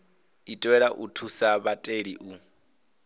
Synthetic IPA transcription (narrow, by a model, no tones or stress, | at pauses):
itʼwɛɺaʔṵtʰusaβatʼeɺiʔu